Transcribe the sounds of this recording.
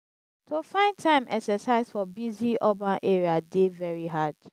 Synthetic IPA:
tʰofãɪ̃ntʰãɪ̃mʔɛ̰ksɛsaɪzfɔbiziʔɔbãnʔeɹiadevɛɹiɦad̥

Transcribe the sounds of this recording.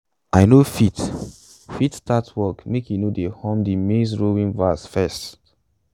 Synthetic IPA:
aɪnofit | fitstatwɔkmekjunodehɔ̃mdimes̬ɹowĩnvasfɛst

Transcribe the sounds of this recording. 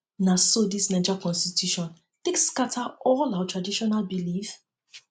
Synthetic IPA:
nasodisnad͡ʒakɔ̃nstitʰjuʃɔ̃n | θɪ̃kskatʰaɔlawatʰɹadiʃɔnalbilif

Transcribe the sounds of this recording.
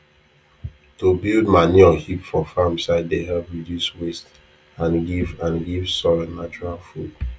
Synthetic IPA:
tubildmaniɔhipfɔfãmsaɪdehɛlpɹiduswest | ãnɡivãnɡiv̥sɔlɔnat͡ʃɔɹalfud

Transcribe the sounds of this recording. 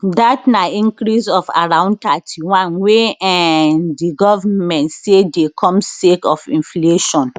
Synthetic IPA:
datnaĩŋkɾisɔfa̰ɹãʊ̃nd̚tatʰiwãnweaɛndiɡɔvamɛ̃ntsedekʰɔ̃msekɔfĩnfleʃɔ̃n

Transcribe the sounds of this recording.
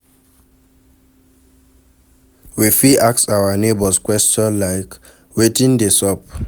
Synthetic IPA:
wifiʔaksawanebɔskwɛstɔ̃nlaɪk | wetĩndesɔp

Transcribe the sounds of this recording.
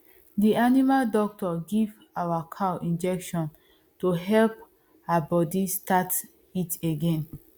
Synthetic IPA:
dianimaldɔk̚tɔɡiv | awakʰawʔĩnd͡ʒɛkʃɔ̃n | toɦɛlp̚ | aabɔdistat | iteɡẽn

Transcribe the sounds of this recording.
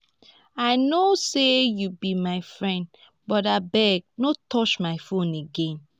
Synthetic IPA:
aɪnosejubimaɪfɹɛ̃nd | bɔtabɛɡ̚notʰɔt͡ʃmaɪfõneɡẽn

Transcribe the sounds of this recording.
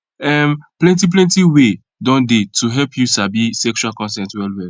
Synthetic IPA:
ɛmplɛ̃ntip̬lɛ̃ntiwe | dɔ̃ndetʰuɦɛlpʰjusabisɛkt͡ʃualkɔ̃nsɛ̃ntwɛlwɛl

